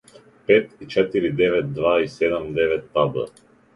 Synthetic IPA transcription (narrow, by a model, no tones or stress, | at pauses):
pɛt̪it͡ʃɛt̪iɾid̪ɛvɛt̪̚d̪vaisɛd̪ɛmd̪ɛvɛt̪̚ːab̪ə̰